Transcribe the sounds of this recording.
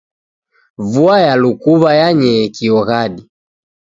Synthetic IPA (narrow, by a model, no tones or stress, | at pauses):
vuajalukuβajaɲɛkiɔɣaɗi